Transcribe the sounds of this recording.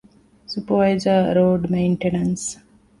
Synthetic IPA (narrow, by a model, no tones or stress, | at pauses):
supəʋaɪzəɾoːɖmẽɪɳʈenəns